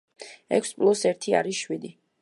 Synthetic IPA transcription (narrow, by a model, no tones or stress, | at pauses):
ɛ̰kʰspʼlˠusɛɾt̪ʰia̰ɾisʃwid̪i